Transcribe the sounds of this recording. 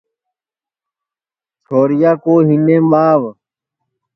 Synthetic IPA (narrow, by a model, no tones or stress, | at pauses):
t͡sʰoːɾijaːkoːɦinẽbaːʋ